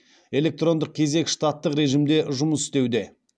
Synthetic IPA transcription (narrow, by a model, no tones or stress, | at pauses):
e̞le̞k̚t̪ro̞nd̪əq̚kʲʰe̞ze̞kʲʃt̪at̪ːəqɾe̞ʒimd̪e̞ʒʊməsɪ̥st̪e̞wd̪e̞